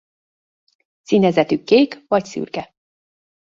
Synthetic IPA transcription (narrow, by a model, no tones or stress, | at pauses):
sinɛzɛt̪ykːeːkvɒcsy̰ːrkɛ